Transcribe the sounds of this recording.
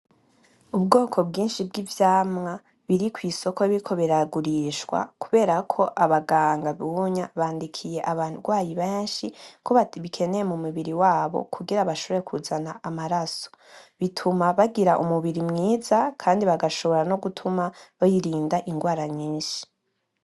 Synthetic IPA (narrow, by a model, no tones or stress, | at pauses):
ubɡo̞ːkʰo̞bɡiːnʃibɡivjaːmŋa | βiɾikwiːso̞koβikʰo̞βiɾaɡuɾiʃɡwa̰kuβe̞ːɾakʰo̞ʔaβaɡaːŋɡaβuɲaβaːndikʰije̞ʔaβaːnhuɡwaːjiβe̞ːnʃikʰoβaβikʰe̞nejemumuβiɾiwaːβo̞̰kʰuɡiɾaβaʃo̞βoɾekʰuzanaʔamaɾaso̥βitʰumaβaɡiɾaʔumuβiɾimŋiːzakʰaːndiβaɡaʃo̞βo̞ɾano̞ɡutʰumaβojiɾiːndaʔiŋɡwaːɾaɲiːnʃi̥